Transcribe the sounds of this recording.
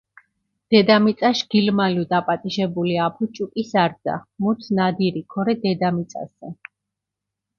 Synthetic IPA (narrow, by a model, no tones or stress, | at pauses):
d̪̥ɛd̪amit̪sʼaʃɡ̥ilmaliɔd̪apʼat̪ʼiʃɛbuliapʰut͡ʃʼukʼisaɾd̪za̰muɾt̪ʰnad̪iɾikʰɔɾɛd̪ɛd̪amit̪sʼa̰sɛ